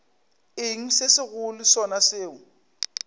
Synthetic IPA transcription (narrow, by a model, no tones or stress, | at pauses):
ɪŋ̩sesɪɣʊlisɔnaseːʊ